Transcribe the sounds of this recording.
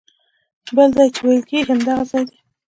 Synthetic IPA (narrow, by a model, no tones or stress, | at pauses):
bəlzɑjt͡ʃewajəlkeɡiamd̪aɣazɑjd̪i